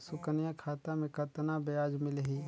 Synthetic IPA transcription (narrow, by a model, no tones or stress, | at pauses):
sʊkənijakʰaːt̪amẽkət̪nabjaːd͡ʒmɪlɦiː